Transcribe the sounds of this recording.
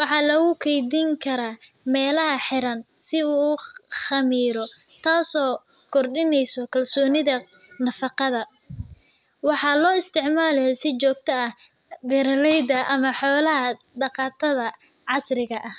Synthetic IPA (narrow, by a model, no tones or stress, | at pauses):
wɑħɑːlɐɣʊkʰɛjd̪iŋkʰɐɾaː | mɛːlɐɦɐħɪɾɐn | sɪuːχɐmiːɾɔ | t̪ʰaːsɔː | kʰɔrɖɪnɛjsɔkʰɐlsɔːnɪðɐ | nɐfɑqɑðɐ | wɑħɑːlɔːɪst̪ʰɪʕmaːlɛjɛsɪt͡ʃɔːɡ̚t̪ʰɐɐh | bɛɾɐlɛjd̪ɐʔɐmɐħɔːlɐɦɐ | d̪ɑqɑːt̪ʰɐðɐ | ʕɑsrɪɣɐʔɐh